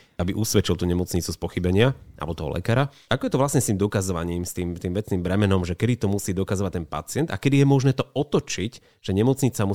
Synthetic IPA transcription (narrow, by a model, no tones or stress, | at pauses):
abiʔusʋɛt͡ʃilˠt̪uːɲɛmɔt͡sɲit͡suspɔxibɛɲɪaa̰lbɔt̪ɔɦɔ̰lɛ̰kaːɾa | akɔjɛt̪ɔʋlasɲɛst̪iːmd̪ɔkazɔʋa̰ɲiːmst̪iːmt̪iːmʋɛt͡snimbɾɛmɛnɔmʒɛkɛd̪it̪ɔmusiːd̪ɔkazɔʋac̚t̪ɛnpa̰t͡sɪɛnt̪a̰kɛd̪ijɛmɔʒnɛːt̪ɔɔt̪ɔt͡ʃic | ʒ̥ɛɲɛmɔt͡sɲit͡samu